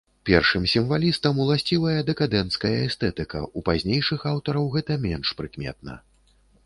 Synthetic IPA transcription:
pʲɛrʂɨmsʲimvalʲist̪ɐmulˠasʲt͡sʲivɐjɐd̪ɛkad̪ɛnt̪skɐjɐɛst̪ɛt̪ɨkɐ̰ʔupazʲnʲejʂɨxawt̪ɐɾɐwɣɛt̪ɐmʲɛnʂpɾɨkmʲɛ̰t̪̚nɐ̰

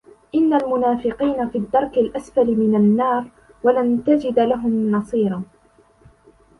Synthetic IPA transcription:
ʔɪnːalmʊnaːfɪqiːnafiːd̪ːɑɾˤkɪlʔasfalɪmɪnanːɑːɾˤ | walant̪ad͡ʒɪd̪laɦʊmnɑsˤiːɾˤɑ

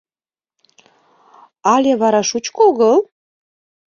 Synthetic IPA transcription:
ɑlʲeβɑɾɑʃut͡ɕkoɣəl

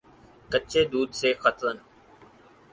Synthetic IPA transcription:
kət͡ʃʰeːd̪uːd̪seːxət̪ɾən

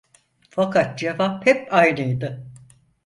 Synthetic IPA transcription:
fakʰat̪̚d͡ʒevaphɛpajnɯjd̪ɯ

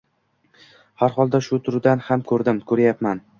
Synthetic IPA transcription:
haɾχɒlˠd̪aʃʊt̪ʰʊɾd̪anhamkʰɵɾd̪ɪmkʰɵɾajapman

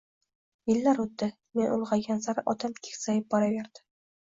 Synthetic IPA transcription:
jɪlːaɾot̪ːɪ | menʊ̰lˠʁɑɡʲanzaɾʔɒt̪ʰamkʲʰe̥kʲsajɪp̚bɒɾaveɾd̪̥ɪ̥

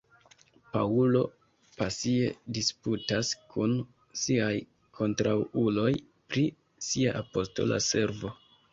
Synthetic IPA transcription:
paulo̞ | pasie̞̰disputaskʰun | siaj | kʰo̞ntɾawulo̞j | pɾi | siaʔapo̞sto̞̰la̰se̞ɾvo̞

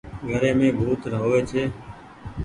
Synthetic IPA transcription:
ɡʱəɾeːmẽːbʱuːt̪nəɦoːʋeːt͡ʃʰeː

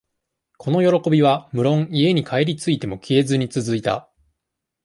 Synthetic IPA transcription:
kʰo̞no̞jo̞ɾo̞ko̞bʲiβ̞amɯ̟ɾõ̞ŋie̞ɲ̟ikʰae̞ɾʲit͡sɨit̪e̞mo̞kʲʰeːzɨɲ̟it͡sɨzɨit̪a̰

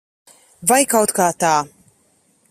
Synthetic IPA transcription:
vajkawt̪kat̪aː

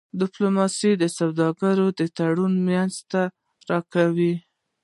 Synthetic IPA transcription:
d̪ɪplomɑsid̪əsawd̪ɑɡaɾod̪ət̪aɽunmjanzt̪a | ɾɑkawi

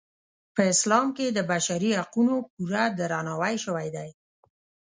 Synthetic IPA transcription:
pəɪslɑmked̪əbaʃaɾihaqunop̚uɾad̪əɾɑnɑwajʃəwajd̪aj

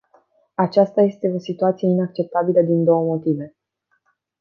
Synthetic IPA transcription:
at͡ʃast̪aje̞st̪e̞o̞sit̪uat̪sijeinak̚t͡ʃe̞p̚t̪abiləd̪ind̪o̞wəmo̞t̪ive̞

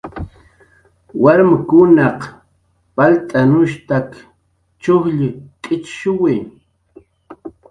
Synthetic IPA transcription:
waɾmakʊnɑq | palt̪ʼanʊʃt̪ak | t͡ʃʊhʎɪkʼɪt͡ʃʃʊwɪ

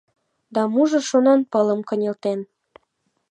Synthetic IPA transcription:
d̪ɑmuʒɤ̆ʃonɑnpə̆lə̆mkə̆nʲelt̪en

